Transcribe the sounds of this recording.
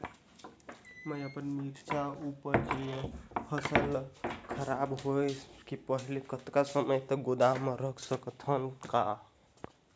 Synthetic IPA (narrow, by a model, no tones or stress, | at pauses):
məjəpənmiɾt͡ʃʰaupəɾd͡ʒiepʰəsəlkʰəɾabɦojʰkipəɦilikət̪kasəməjt̪əɡod̪ameɾəkʰsəkt̪ʰənka